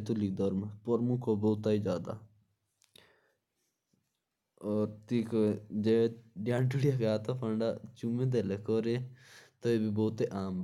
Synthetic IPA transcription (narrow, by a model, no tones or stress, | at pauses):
t̪olɪk̚d̪ɔːɾmapɔɾmukʰoboːt̪aːiːd͡ʒaːd̪a̰ː | oːɾt̪iːkd͡ʒeɖjãːnʈuɽijaɡaːt̪apʰəɳɖa̰ːt͡ʃumẽːd̪elekoːɾeːt̪əeːbiːboːt̪eːʔaːm